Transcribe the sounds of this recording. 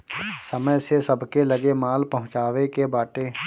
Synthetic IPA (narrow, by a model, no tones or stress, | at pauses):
səməjsesɐbʱkelɐɡemaːlpɐɦʊ̃t͡ʃaːʋekebaːʈe